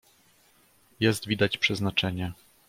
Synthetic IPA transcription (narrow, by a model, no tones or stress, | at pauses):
jɛst̪vʲid̪at͡ɕpʂɛznat͡ʂɛɲɛ